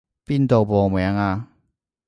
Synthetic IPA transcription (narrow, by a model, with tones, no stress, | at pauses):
pi˥˨nt̪o˨˩pɔː˨˩mwɛ˨˦ŋa˧